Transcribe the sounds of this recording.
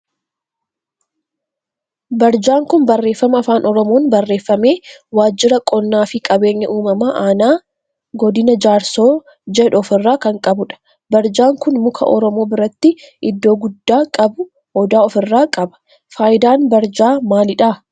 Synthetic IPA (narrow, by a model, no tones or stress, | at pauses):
bɐɾd͡ʒaːŋkʊnbɐrːe̞ːfːɐmɐːfaːnɔɾɔmo̞ːnbɐrːe̞ːfːɐmeːwaːd͡ʒːɪɾɐkʼɔnːaːfɪkʼɐbe̞ːɲːɐʔuːmɐmaːʔaːnaː | ɡɔd̪ɪnɐd͡ʒaːɾso̞ː | d͡ʒɛᶑʊɔfɪrːaːkɐŋkʼɐbʊᶑɐ̥ | bɐɾd͡ʒaːŋkʊnmʊkʰɐ̰ʔɔɾɔmo̞ːbɪɾɐt̪ːɪʔɪd̪ːo̞ːɡʊd̪ːaːkʼɐbʊ | hɔd̪aːɔfɪrːaːkʼɐbɐ̥ | faːjɪd̪aːnbɐɾd͡ʒaːmaːlɪᶑa